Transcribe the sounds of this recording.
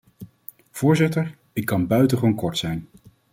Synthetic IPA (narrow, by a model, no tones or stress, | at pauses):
v̥ʊːɹzɪtəɹ | ɪkːɑnbœɥtəχʋonkɔɹtsɛjn